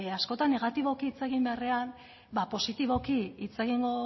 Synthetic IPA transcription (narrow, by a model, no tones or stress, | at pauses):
asko̞t̪anːe̞ɣat̪iβo̞kiːt͡se̞ɣimbe̞are̞an | bapo̞sit̪iβo̞kiit͡seɣiŋɡo